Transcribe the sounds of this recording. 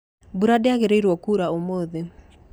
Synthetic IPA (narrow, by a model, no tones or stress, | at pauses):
buɾadeaɣeɾeiɾwɔkuːɾaomoðe